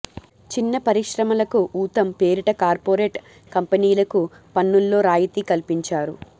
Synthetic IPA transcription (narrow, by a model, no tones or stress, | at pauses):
t͡ʃinːɐpɐɾiʃɾɐmɐlɐkuʔuːt̪ɐmpe̞ːɾiʈɐkaːɾpoːɾeːʈ | kɐmpɐniːlɐku | pɐnːulːo̞ːɾaːjit̪iːkɐlpiɲt͡ʃaːɾu